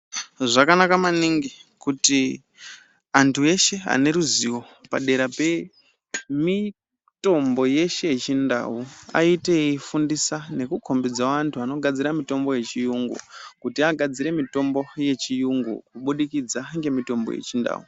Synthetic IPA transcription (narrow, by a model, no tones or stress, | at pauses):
ʐakanakamaniŋɡikuti | antʰue̞ʃe̞a̰ne̞ɾuziwo̞ | pa̰ɗe̞ɾape̞ | mi | to̞mbo̞je̞ʃe̞jet͡ʃinda̰ua̰iteifundisane̞kukʰo̞mbid͡zaantʰuano̞ɡʱad͡ziɾamito̞mbo̞je̞t͡ʃijuŋɡṵkutiaɡʱad͡ziɾe̞mito̞mbo̞je̞t͡ʃijuŋɡṵkuɓuɗikid͡zaŋɡe̞mito̞mbo̰je̞̰t͡ʃinda̰ːṵ